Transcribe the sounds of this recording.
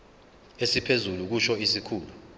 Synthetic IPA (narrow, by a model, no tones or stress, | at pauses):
esipʰezuluk̬uʃɔisikʰuːlu